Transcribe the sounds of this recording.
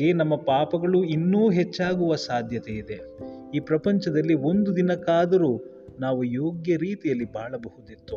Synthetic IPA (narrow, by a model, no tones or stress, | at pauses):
enɐmːɐpaːpɐɡɐɭuinːuːɦet͡ʃːaːɡuʋɐsaːd̪ʱjɐt̪eid̪e̞iːpɾɐpɐɲt͡ʃɐd̪ɐlːio̞nd̪ud̪inɐkaːd̪ɐɾuː | naːʋujoːɡjɐɾiːt̪ijɐlːibʱaːɭɐbɐhud̪it̪ːu